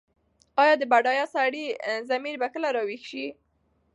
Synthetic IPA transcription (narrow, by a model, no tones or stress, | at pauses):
ɑjɑd̪əbaɖɑjɑsaɽizamiɾbakəlaɾɑwixʃi